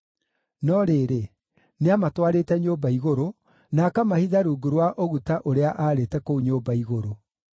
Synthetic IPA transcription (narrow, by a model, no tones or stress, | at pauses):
nɔɾeɾe | neamatwaɾeːtɛɲoːbaiɣoɾo | nakamahiðaɾuːɡuɾwaʔoɣutaʔoɾeaʔaɾetɛkouɲoːbaiɣoɾo